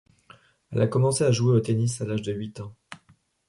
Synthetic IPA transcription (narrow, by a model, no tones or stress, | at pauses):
ɛ̰lakɔmɑ̃seaʒueot̪enisalaʒd̪əɥit̪ɑ̃